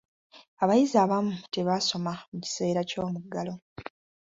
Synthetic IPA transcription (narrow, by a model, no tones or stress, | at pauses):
aβajizaːβamute̞βaso̞mamuci̥se̞ːɾaco̞ːmuɡːalo̞